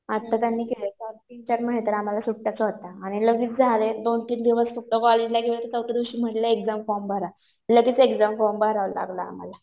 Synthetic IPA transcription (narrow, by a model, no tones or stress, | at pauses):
at̪ːat̪janːiːkelet͡saʈint͡ɕəɾməɦet̪əɾam̤alasuʈʈːat͡səɦot̪aːɽ̃iləɡiːt͡sd͡zʱaled̪ont̪iːnd̪iʋəsfək̚ʈ̪əkɔled͡ʑlaɡeʋət̪ət̪əwʈ̪əd̪uɕiːm̤əʈləekd͡zamfɔɾmbəɦɾa | ləɡiːt͡sekd͡zamfɔmbəɦɾala̰ɡla̰ːm̤a̰la